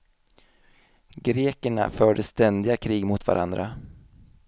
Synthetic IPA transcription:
ɡɾeːkəɳa̰fœːɖəst̪ɛnd̪ɪɡakʰɾiːɡmʊt̪va̰ɾʔa̰nd̪ɾa

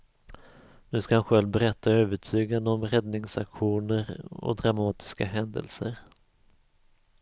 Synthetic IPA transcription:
nʉ̟ːskahanɧɛlvbɛɾɛt̪ːaøːvəʈʰyːɡand̪əɔmɾɛd̪nɪŋsakɧuːnəɾɔ̰d̪ɾamɑːt̪ʰɪ̥skaɦɛnd̪ə̰lsəɾ

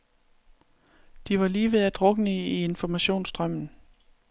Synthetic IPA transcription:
d̥iʋɑ̈liːʋeðæd̥ʁɔ̽ɡ̥ənəie̝nfɒmæɕo̝̰ːnsd̥ʁɶm̰n̩

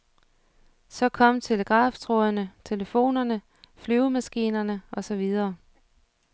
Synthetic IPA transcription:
sɒ̽kʰɒ̽m̰t͡sʰe̝ləɡ̥ʁɑ̈ːft͡sʰʁɔðˠnət͡sʰe̝ləfo̝̰ːnɐnə | flyːʊmæsɡ̥ḭːnɐnəʔɒ̽sɒ̽ʋið̞ˠɐː

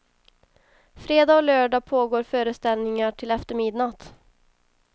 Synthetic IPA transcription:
fɾeːd̪aːɔløːɖɑpʰoːɡoːɾfœːɾəst̪ɛlnɪŋaʈʰɪlɛft̪əɾmɪd̪nat̪

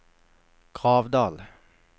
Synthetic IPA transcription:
kʰʁɑːʋd̪ɑːl

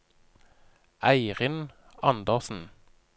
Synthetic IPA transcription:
ʔæɪʁɪn | ɑnd̪əʁsn̩

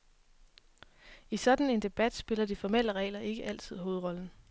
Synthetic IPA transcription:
isɒ̽d̥n̩e̝nd̥e̝b̥æd̥sb̥e̝lɐdifɒmel̰əʁɛ̰ːɪlɐʔe̝ɡ̥əʔæl̰t͡sʰð̞̰ˠɦo̝ːð̩ˠʁɒ̽ln̩

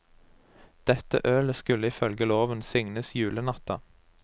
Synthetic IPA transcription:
d̪̥ɛt̪ə̰ʔøːləskʉləɪfœlɡəloːʋənsʏŋnəsjʉːlənɑt̪ɑ

